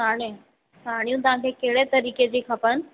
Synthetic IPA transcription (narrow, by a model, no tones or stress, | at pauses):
aɽ̃ẽ | saːɽ̃jũt̪ʊʋ̤ãkʰekeɦɽet̪ɐɾiːked͡ʑiːkʰɐpən̆